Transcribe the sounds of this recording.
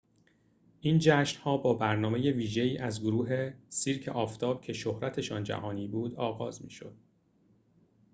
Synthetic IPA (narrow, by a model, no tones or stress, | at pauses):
ʔiːnd͡ʒæʃnhɒːbɒːbæɾnɒːme̞je̞viːʒe̞iːʔæzɡoɾuːɦe̞siːɾcʰḛʔɒːft̪ʰɒːb̥̚cʰe̞ʃohɾæt̪ʰe̞ʃɒːnd͡ʒæ̰hɒːniːbuːd̪ɒːɣɒːzmḭːʃo̰d̪̥̚